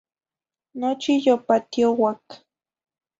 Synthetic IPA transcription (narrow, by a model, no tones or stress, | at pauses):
not͡ʃiʎopat̪ijowak